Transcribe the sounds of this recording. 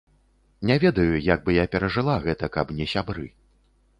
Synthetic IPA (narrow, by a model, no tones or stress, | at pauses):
nʲɛvʲɛd̪ɐjujaɡ̚bɨjapʲɛɾɐʐɨlˠaɣɛt̪ɐkɐbnʲɛsʲabɾɨ